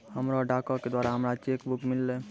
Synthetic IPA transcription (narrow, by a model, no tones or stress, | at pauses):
həmɾaɖaːkɔked̪waːɾaɦəmɾat͡ʃeːkbʊkmɪlːe